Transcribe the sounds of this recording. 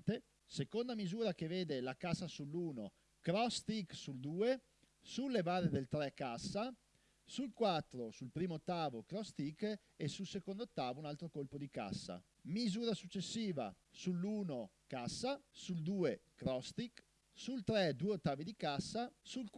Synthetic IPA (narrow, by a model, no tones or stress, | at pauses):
t̪e | sekond̪amizuːɾak̟eveːd̪elakasːasulːuːno̰ | kɾɔst̪iksuld̪uːe | sulːevaːɾed̪elt̪ɾɛkːasːa | sulkwat̪ːɾosulpɾiːmoot̪ːaːvokɾɔst̪ik | esulsekond̪oot̪ːaːvounalt̪ɾokolpod̪ika̰sːa̰ | mizuːɾasut͡ʃːesːiːva̰ | sulːuːno | kasːasuld̪uːekɾɔst̪ik | sult̪ɾɛd̪uːeot̪ːaːvid̪ikasːasulk